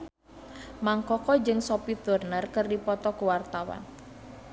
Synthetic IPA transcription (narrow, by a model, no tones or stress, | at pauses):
maŋkɔkɔd͡ʒɨŋsopit̪urnərkɨrdipɔt̪ɔkuwart̪awa̰n